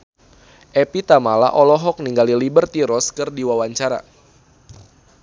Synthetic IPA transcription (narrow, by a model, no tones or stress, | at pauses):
ʔɛpit̪amala̰ʔɔlɔɦɔk̚niŋɡalilibərt̪iɾɔskɨrdiwawaɲt͡ʃaɾa̰